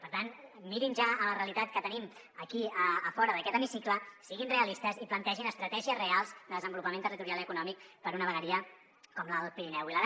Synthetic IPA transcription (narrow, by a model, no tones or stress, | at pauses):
pəɾt̪anmiɾinʒaələreəlit̪at̪kət̪ənim | əkiəːfɔɾəðəkɛt̪əmisikləsiɣinreəlist̪əziplənt̪ɛʒinəst̪ɾət̪ɛʒiəzrealˠzd̪əðəzəmbulupəment̪ərit̪uɾialiəkunɔmikpəɾunəβəɣəɾiə | kɔmləðəlˠpiɾinɛwiləð